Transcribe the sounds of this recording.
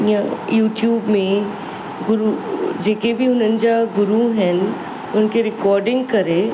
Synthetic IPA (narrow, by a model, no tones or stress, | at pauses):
jajuːʈjuːbmẽ | ɡʊɾud͡ʒeːkebʱiʊnənd͡ʒaɡʊɾuɦɛn | ʊnkeɾɪkɔːɾɖɪ̃ŋɡkɐɾe